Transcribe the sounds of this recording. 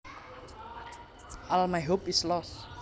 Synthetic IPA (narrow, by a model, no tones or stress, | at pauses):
ʔɔlmajɦopislɔs